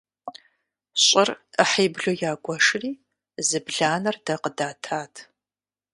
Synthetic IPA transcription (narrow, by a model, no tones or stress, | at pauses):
ɕʼɪrəħeːbɮojaːɡʷɔʂriː | zɨbɮaːnɐrdɐqədaːtʰaːtʰ